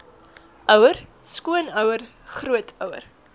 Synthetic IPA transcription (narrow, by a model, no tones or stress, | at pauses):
ʔœwərskuənœwər | χruətʰœwə̰r